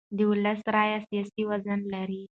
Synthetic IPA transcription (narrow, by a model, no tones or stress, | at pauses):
d̪əuləsɾajasijasiwazənlaɾi